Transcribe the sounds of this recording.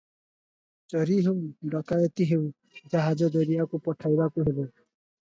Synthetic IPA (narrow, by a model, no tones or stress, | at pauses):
d͡ʒɔɾiɦewɖɔk̪ajɔt̪iɦew | d͡ʒaɦad͡ʒɔd͡ʒɔɾiakupɔʈʰajbakuɦebe